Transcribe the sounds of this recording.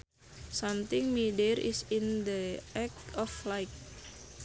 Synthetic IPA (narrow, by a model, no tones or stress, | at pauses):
samt̪ɪŋmidɛɾʔḭsind̪əɛkɔflajk̚